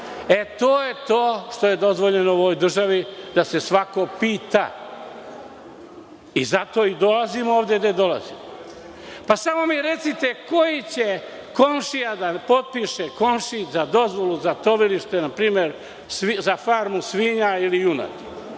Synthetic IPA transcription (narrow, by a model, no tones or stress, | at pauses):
e̞t̪o̞ːje̞t̪oːʃt̪o̞je̞d̪o̞zʋo̞ʎe̞noojd̪r̩ʒaʋid̪asesʋako̞piːt̪a̰ | izat̪o̞ːid̪o̞lazimo̞ːʋd̪ed̪ad̪o̞la̰zḭm | pasamo̞miɾe̞t̪sit̪eko̞jit͡ɕe̞ | ko̞mʃijad̪apo̞t̪̚piʃeko̞mʃizad̪o̞zʋo̞lˠuzat̪o̞ʋiliʃt̪enapɾiːmje̞ɾ | sizafaːɾmusʋiɲailiuna̰t̪